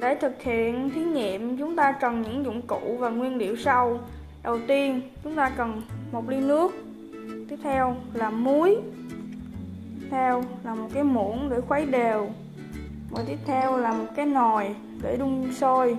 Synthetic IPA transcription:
ɗe˧˩t̪ʰɨ˨˩k̚hḭ˧˨ənt̪ʰi˨˦ɲḭ˧˨əmt͡ɕʊ˨˦ŋ͡mt̪aː˧kə˨˩nɲɨ̰˧˥ŋzʊ̰˧˨ŋ͡mkṵ˧˨vaː˨˩ŋwi˧ənɗḭ˧˨əwsa˧w | ɗə˨˩wt̪i˧ənt͡ɕʊ˨˦ŋ͡mt̪aː˧kə˨˩nmo˨˩t̚li˧nɨ˦˥ək̚ | t̪i˦˥əp̚t̪ʰɛ˧wlaː˨˩mu˨˦əj | p̚t̪ʰɛ˧wlaː˨˩mo˨˩t̚kaː˨˦jmu˧˩ənɗe˧˩xwa˨˦jɗe˨˩w | mə̰ː˧˨˩jt̪i˦˥əp̚t̪ʰɛ˧wlaː˨˩mo˨˩t̚kaː˨˦jno˨˩j | ɗe˧˩ɗʊ˧ŋ͡mso˧j

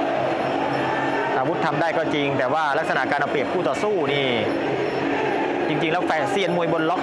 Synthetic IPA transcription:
ʔaː˧wu˦˥t̪ʰːa˧mdaː˥˩jkɔː˥˩t͡ɕi˧ŋt̪ɛː˨˩waː˥˩la˦˥k̚sa˧na˨˩ʔkaː˧nʔa˧pli˨˩əp̚kʰuː˥˩t̪ɔː˨˩suː˥˩niː˥˩ | t͡ɕi˧ŋt͡ɕi˧ŋlɛː˦˥wfɛː˧˩nsi˧˩ənmu˧˩əjbo˧nlɔ˦˥k̚

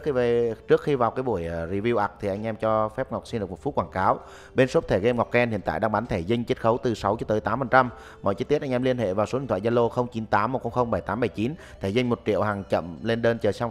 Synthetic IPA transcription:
kxi˧vt͡ɕɨ˦˥ək̚xi˧vaː˨˩wkaː˨˦jɓu˧˩əjzi˧vi˧wʔa˨˩k̚t̪ʰi˨˩ʔa˧jŋ̟ʔɛ˧mt͡ɕɔ˧fɛ˦˥p̚ŋa˨˩k͡p̚si˧nɗɨ˨˩k̚mo˨˩tfu˦˥t̚kwaː˧˩ŋkaː˨˦w | ɓe˧nso˦˥p̚t̪ʰe˧˩ɣe˧mŋa˨˩wk͡p̚kɛ˧nhḭ˧˨ənt̪a̰ː˧˨jɗaː˧ŋɓaː˨˦nt̪ʰe˧˩zi˧ŋ̟t͡ɕe˦˥t̚xə˨˦wt̪ɨ˨˩sa˨˦wt͡ɕɔ˧˨˦t̪əː˨˦jt̪aː˨˦mfə˨˩nt͡ɕa˧m | mɔ̰˧˨t͡ɕːt̪t̚ʔa˧ŋ̟ʔɛ˧mli˧ənɦhḛ˧˨vaː˨˩so˨˦i˨t̪ʰaː˧˨za˧lo˧xə˧wŋ͡mt͡ɕi˨˦nt̪aː˨˦mːo˨˩xə˧ŋ͡mxə˧wŋ͡mɓə˧˩jt̪aː˨˦mɓə˧˩jt͡ɕi˨˦n | t̪ʰe˧˩zɨ˧ŋ̟mo˨˩t̚t͡ɕḭ˧˨əwhaː˨˩ŋt͡ɕə̰˧˨mle˧nɗə˧nt͡ɕəː˨˩sa˧wŋ͡m

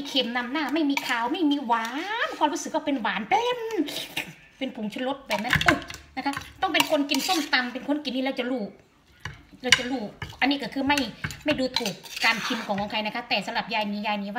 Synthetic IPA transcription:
kʰe˧˩mna˧˩mnaː˥˩ma˥˩jmiː˧kʰaː˨˩wma˥˩jmiː˧waː˨˦nkʰɔː˧˨ɾuː˧˥˩sɯ˨˩k̚waː˥˩pe˧nwaː˨˦npe˧n | pe˧npʰu˨˦ŋt͡ɕʰu˧nlo˦˥t̪̚bɛː˨˩p̚na˧˥nʔu˧˩na˧kʰa˦˥p̚t̪ɔ˥˩ŋpe˧nkʰo˧nki˧nso˥˩˨mt̪a˧mpe˧nkʰo˧˥nki˨˧nːiː˧ɾa˧˩wt͡ɕa˧luː˧˩ | ɾa˧˩wt͡ɕa˧˩luː˧˩ʔa˧nːiː˧˥˩kɔː˧˩kʰɯː˧ma˥˩jma˥˩jduː˧t̪ʰuː˨˩kːaː˧nkʰi˧nkʰɔː˨˦ŋkʰɔ˨˦kʰa˧jna˧kʰa˦˥t̪ɛː˨˩sa˧˦la˨˩p̚jaː˧jniː˧˦jaː˧jniː˧˦waː˧˩

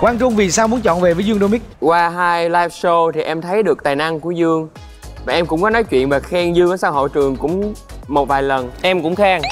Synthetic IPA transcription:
kwaː˧nt͡ɕʊ˧˩ŋ͡mvi˨˩saː˧wmu˨˦ənt͡ɕɔ̰˧˨nve˨˩vəː˨˦jzɨ˧əŋɗo˧mi˦˥k̚kwaː˧ɦaː˧jlaː˧jf̚so˧t̪ʰi˨˩ʔɛ˧mt̪ʰə˨˦jɗɨ˨˩ək̚t̪aː˨˩jna˧ŋku˧˩əzɨ˧əŋ | vaː˨˩ʔɛ˧mkʊ̰˧˥ŋ͡mkɔ˨˦nɔ˨˦jt͡ɕwḭ˧˨ənvaː˨˩xɛ˧ŋzɨ˧əŋː˨˦saː˧who̰˧˨jt͡ɕɨ˨˩əŋkʊ̰˧˥ŋ͡m | mo˨˩t̚vaː˨˩jlə˨˩nʔɛ˧mkʊ̰˧˥ŋ͡mxaː˧ŋ

